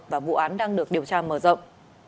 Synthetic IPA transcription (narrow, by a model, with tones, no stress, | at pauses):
vaː˨˩vṵ˧˨ʔaː˨˦nɗaː˧ŋɗɨ˨˩ək̚ɗi˨˩əwt͡ɕaː˧məː˧˩zə̰˧˨wŋ͡mʔ